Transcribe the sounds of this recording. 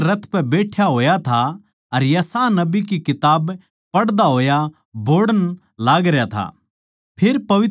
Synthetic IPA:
ɾɐt̪ʰpɛbeːʈʰjaɦoːjat̪ʰa | ɐɾjɐsaːnɐbikikɪt̪aːb | pɐɽd̪aɦoːja | boːɽən | laːɡɾejat̪ʰa̰ | pʰɪɾpɐʋɪt̪

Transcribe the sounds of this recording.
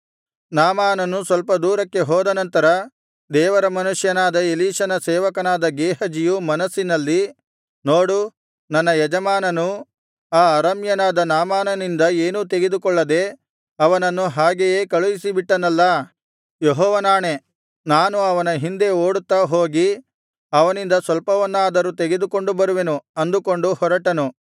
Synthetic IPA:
naːmaːnɐnusʋɐlpɐd̪uːɾɐkːe̞ɦɔːd̪ɐnɐnt̪ɐɾɐ | d̪ɛːʋɐɾɐmɐnuʂjɐnaːd̪ɐeliːʂɐnɐsɛːʋɐkɐnaːd̪ɐɡeːɦɐd͡ʒijumɐnɐsːinɐlːi | noːɽu | nɐnːɐjɛd͡ʒɐmaːnɐnu | aːɐɾɐmjɐnaːd̪ɐnaːmaːnɐnind̪ɐeːnut̪eɡe̞d̪ukɔɭːɐd̪e̞ | ɐʋɐnɐnːuɦaːɡejeːkɐɭuʋisibiʈːɐnɐlːɐ | jeɦɔːʋɐnaːɳe̞ | naːnuɐʋɐnɐɦind̪e̞o̞ːɽut̪ːaːɦo̞ːɡi | ɐʋɐnind̪ɐsʋɐlpɐʋɐnːaːd̪ɐɾut̪eɡed̪uko̞ɳɖubɐɾuʋe̞nuɐnd̪uko̞ɳɖuhɔɾɐʈɐnu

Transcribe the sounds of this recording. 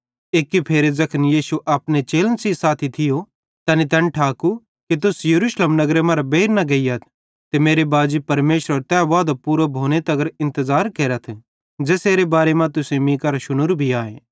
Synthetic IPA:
eːkːipʰeːɾezɐkʰənjiːsuʔɐpnet͡ʃeːlənsisaːt̪ʰit̪ʰɪjo | t̪ɛːnit̪ɛ̃nʈʰaːku | kit̪̬ʊsjɐɾuːʃləmnɐɡɾemɐ̃ɾabeːɾnɐɡɐijat̪ʰ | t̪emeːɾebaːd͡ʒipɐɾmeːʃɾəɾt̪ɛːʋaːd̪opuːɾobʱoːnet̪ɐɡəɾɪ̃nt̪əzaːɾkeːɾət̪ʰ | d͡ʒɛːseːɾebaːɾemãt̪ʊsemĩːkaɾaʃʊnʊɾbʱiaːẽː

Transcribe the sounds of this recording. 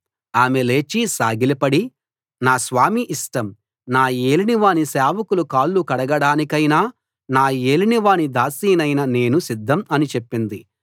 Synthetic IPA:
aːmele̞ːt͡ʃisaːɡilipɐɽi | naːsʋaːmiʔisʈɐm | naːeːliniʋaːnisaːʋɐkulukaːlːukɐɽɐɡɐɽaːnikɐjnaː | naːeːliniʋaːnid̪aːsiːnɐjnɐne̞ːnusid̪ʱːɐmɐnit͡ʃe̞pːind̪i

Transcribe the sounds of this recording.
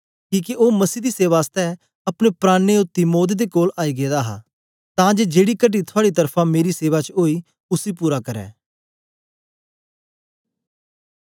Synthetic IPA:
kiːkeʔoːməsiːd̪iːseːʋaːst̪ɛ | ɐpɽepɾaːneot̪ːimoːd̪̬ed̪ekoːlaːiɡeːd̪aːɦa̰ | t̪ãːd͡ʒeːd͡ʒeːɽikəʈ̬it̪ʰʊaːɽit̪əɾpʰãːmeːɾiseːʋat͡ʃoːiː | ʊsiːpuːɾakɐɾɛ̰ː

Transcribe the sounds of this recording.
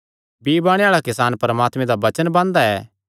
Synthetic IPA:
biːbaːɽ̃eaːɭakɪsaːnpɐɾəmaːt̪mẽd̪aʋɐt͡ʃənbãːnd̪aɛː

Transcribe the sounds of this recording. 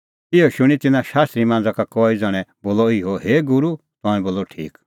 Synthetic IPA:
ɪoʃʊɽ̃it̪ɪnãʃaːst̪ɾimãːnd͡zakakɔid͡zɐɽ̃ɛ̃boːlɔiɦoɦeːɡʊɾu | t̪ɔ̃ːɛ̃boːlɔʈʰḭːk

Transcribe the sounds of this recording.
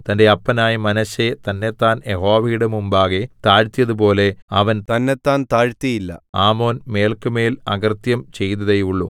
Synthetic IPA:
t̪ɐnde̞ɐpːɐnaːjɐmɐnɐɕet̪ɐnːet̪ːaːnjeɦo̞ːʋɐjiɽemumbaːɣet̪aːɻt̪ːijɐðupo̞ːle̞ɐʋɐntt̪ɐnːet̪ːaːnt̪aːɻt̪ːijilːɐ̰aːmo̞ːnme̞ːlkɨme̞ːlɐɡɐrt̪jɐmt͡ɕe̞jt̪ɐðejuɭːu

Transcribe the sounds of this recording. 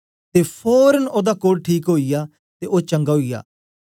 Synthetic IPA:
t̪eːpʰoːɾənoːd̪aːkoːɽʈʰiːkɦoːijaː | t̪eːʔoːt͡ʃə̃ŋɡaːɦoija̰ː

